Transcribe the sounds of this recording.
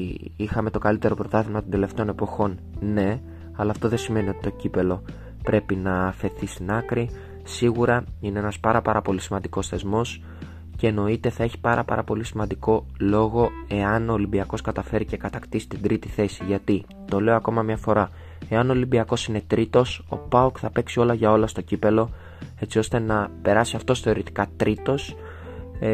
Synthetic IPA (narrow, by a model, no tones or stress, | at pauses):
ixɐme̞t̪o̞kɐlit̪e̞ɾo̞pɾo̞t̪ɐθizmɐt̪od̪e̞le̞ft̪e̞o̞ne̞po̞xo̞n | ne̞ | ɐlɐːft̪o̞ðensime̞nio̞t̪i̥t̪ocipe̞lo̞ | pɾe̞pinɐːfe̞θist̪inɐkɾi | siɣuɾɐineenɐspɐɾɐpɐɾɐpo̞lisimɐnd̪iko̞sθe̞zmo̞s | ce̞ːno̞it̪e̞θɐe̞çi̥pɐɾɐpɐ̰ɾʔɐpo̞lisimɐnd̪iko̞lo̞ɣo̞e̞ɐno̞ːlibiɐko̞skɐt̪ɐfe̞ɾice̞kɐt̪ɐkt̪isi̥t̪ind̪ɾit̪iθe̞siʝɐt̪i | t̪o̞le̞o̞ɐko̞mɐmɲɐfo̞ɾɐ | e̞ɐnolibiɐko̞sine̞t̪ɾit̪o̞so̞̰pɐukθɐpe̞ksio̞lɐʝɐo̞lɐst̪o̞cipe̞lo̞ | e̞t͡sio̞st̪e̞nɐpe̞ɾɐsiɐft̪o̞sθeo̞ɾit̪i̥kɐt̪ɾit̪o̞s